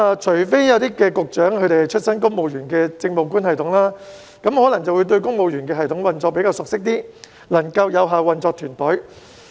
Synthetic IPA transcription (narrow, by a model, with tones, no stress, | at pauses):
a˨˧t͡ʃʰɵ˨˩jfe˥jjɐ˨˧wt̪iː˥kɛː˧kʊ˨k̚t͡ʃœː˨˥ŋkʰɵ˨˧˥t̪e˨hjt͡ʃʰɵ˥t̚sɐ˥nkʊ˥ŋ̚mo˨˧wjyː˨˩nkɛː˧t͡sɪ˧ŋmo˨˩wkuː˥nhɐ˨jt̪ʰʊ˨˥ŋlaː˥ | kɐ˨˥mhɔː˨˥lɐ˨˩ŋt͡sɐ˨wuː˨˧jt̪̬ɵ˧ɥkʊ˥ŋ̚mo˨˧wjyː˨˩nkɛː˧ɦɐ˨jt̪ʰʊ˨˥ŋwɐ˨˩nt͡sɔː˧pe˨˧˥jkaː˧wsʊ˨k̚sɪ˥k̚t̪iː˥ | lɐ˨˩ŋkɐ˧wjɐ˨˧wɦaː˨wɐ˨nt͡sɔː˧k̚t̪ʰyː˨˩np̪ɵ˨˥